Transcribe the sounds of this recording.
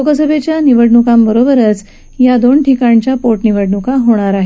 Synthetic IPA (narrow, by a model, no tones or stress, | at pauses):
lokəsəbʱet͡ɕjaniʋəɽɳukambəɾobəɾət͡s | jad̪oɳʈʰikaɳt͡ɕjapoʈniʋəɽɳukaɦoɽ̃aɾaɦe